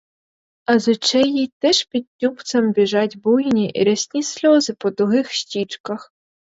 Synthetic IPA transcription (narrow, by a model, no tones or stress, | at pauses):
ɐzʊt͡ʃɛjit̪ɛʃpʲid̪̚ʲtʲːupt̪sɐmbʲiʒɑtʲbujnʲiʔḭɾɐsʲnʲisʲlʲɔzɪpɔd̪ʊɦɪxʃtʲit͡ʃkɐx